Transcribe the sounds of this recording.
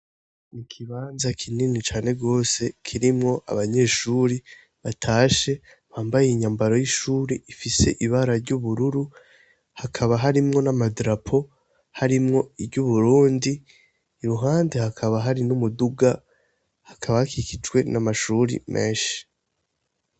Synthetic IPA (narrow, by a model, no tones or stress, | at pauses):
nikʰiβaːnzakʰininit͡ʃaːne̞ɡo̞ːse̞kʰiɾimŋo̞ʔa̰βaɲe̞ːʃuːɾi | βatʰaːʃe̞ | βaːmbajeiɲaːmbaɾo̞jiʃuːɾiifise̞̰ʔiβaɾaɾɟuβuɾuɾu | hakʰaβaɦaɾimŋo̞namadɾapʰo̞ | haɾimŋo̞iɾɟuβuɾuːndiː | ɾuɦaːnde̞hakʰaβaɦaɾinumuduɡa | hakʰaβahakikid͡ʒwe̞namaʃuɾḭme̞ːʃi̥